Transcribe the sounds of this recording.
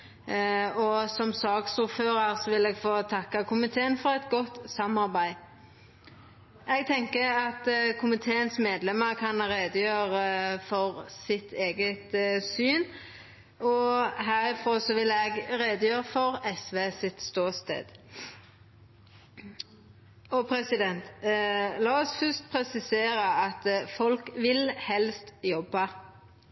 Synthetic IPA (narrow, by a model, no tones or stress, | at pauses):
ɔsɔmsɑːɡsʊɾføːɾəɾsɔʋɪlɛːɡfoːt̪ʰɑkːɑkʰʊmɪt̪ʰeːənfɔʁɛt̪ɡɔt̪sɑmɑʁbæɪ | ʔɛɡ̚t̪ʰɛŋkəɑt̪kʰʊmɪt̪ʰeːənsmeːd̪lɛməkʰɑnɾeːd̪əjøːʁəfɔʁsɪt̪ʰeːɡət̪syːn | ɔɦæːʁɪfɾoːsɔʋɪlɛɡɾeːd̪əjøːʁəfɔɾɛsʋeːsɪt̪st̪oːst̪ḛːd̪̥ | ɔpʰɾɛsɪd̪ɛnt̪ | lɑːɔsfʏst̪̚pʰɾɛsɪseːɾəɑt̪fɔlkʋɪlhɛlst̪jɔbːɑ